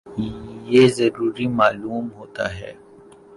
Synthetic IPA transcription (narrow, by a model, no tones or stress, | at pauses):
jezɐɾuːɾimaːluːmɦoːt̪a̰ɦɛ̰ː